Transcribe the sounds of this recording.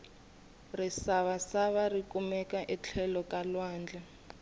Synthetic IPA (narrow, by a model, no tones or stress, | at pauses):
risaβasaβarikʼumɛkʼaʔɛt͡ɬʰɛlɔkʼalwaːnd͡ɮɛ